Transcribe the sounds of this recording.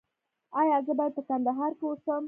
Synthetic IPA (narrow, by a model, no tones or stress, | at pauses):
ɑjɑzəbɑjad̪̚pəkand̪aɦɑɾkewosəm